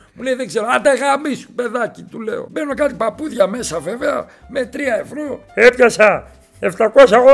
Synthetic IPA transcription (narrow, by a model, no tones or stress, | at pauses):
mulejðeɡzeɾoɐt̪eɣamisu̥pe̞ðɐcit̪ule̞̰o̞̰menokɐt̪ipɐpuθʝɐmesɐve̞veɐ̰ | met̪ɾiɐevɾoepçɐsɐ | eft̪ɐko̞sɐɣo